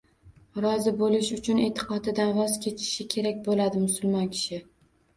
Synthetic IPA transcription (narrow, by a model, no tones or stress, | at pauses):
ɾɒzɪbolɪʃʊt͡ʃʰʊne̞t̪ʰɨ̥qʰɒd̪ɪd̪anvɒzkʲʰe̞t͡ʃ̪ʰɪ̥ʃɪkʲʰe̞ɾak̚ʲbolad̪ɪmʊsʊlˠmɒnkʲʰɪ̥ʃɪ